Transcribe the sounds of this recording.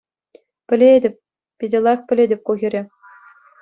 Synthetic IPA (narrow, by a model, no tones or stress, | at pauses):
pʲɘ̆lʲedʲɘ̆p̚ʲ | pʲidʲɘ̆lˠɑxpʲɘ̆lʲedʲɘ̆p̚ʲkuɣʲĭɾʲĕ